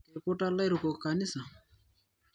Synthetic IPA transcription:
ɛ˨ɾpɔ˦ʈa˦la˦jɾu˨kɔ˨ka˨ni˦sa˨

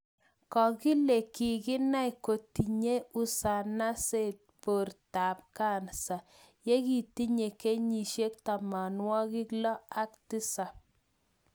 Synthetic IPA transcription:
kɔ˨kɪ˦le˨ki˨kɪ˦na˦i˨ko˨ti˨ɲe˦ʊ˦sa˨na˦se˦˨t̚po˨rta˨p̚ka˦˨nsa˨ | je˦ki˦˨ti˦ɲe˨ke˦ɲi˨ʃje˦k̚ta˨ma˨nwɔ˦kɪ˦klɔ˦a˦ktɪ˦sa˨

